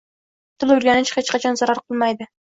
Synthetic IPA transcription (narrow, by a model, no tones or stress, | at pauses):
t̪ʰɨlˠʊɾɡʲanɪt͡ʃχet͡ʃqɑt͡ʃʰɒnzɑɾaɾqʰɨlˠmajd̪ɪ